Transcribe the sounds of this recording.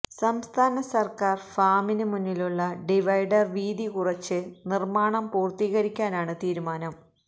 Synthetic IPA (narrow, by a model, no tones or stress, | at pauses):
sɐmst̪ʰaːnɐsɐrkaːrfaːminɨmunːiluɭːɐɖiʋɐjɖɐrʋiːd̪ikurɐt͡ɕːɨnirmaːɳɐmpuːrt̪iːɣɐɾikʲːaːnaːɳɨt̪iːɾumaːnɐm